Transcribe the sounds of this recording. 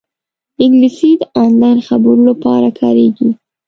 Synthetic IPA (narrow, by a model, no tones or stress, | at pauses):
ɪŋɡlisid̪əʔɑnlɑjnxabəɾulapɑɾakʰɑɾeɡi